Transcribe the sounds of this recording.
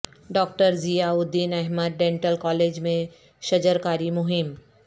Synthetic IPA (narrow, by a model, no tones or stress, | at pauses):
ɖɔːk̚ʈəɾzijaʊd̪ːiːnɛɦməd̪̚ɖẽːɳʈəlkɔːleːd͡ʒmẽ | ʃɐd͡ʒəɾkaːɾimʊɦɪm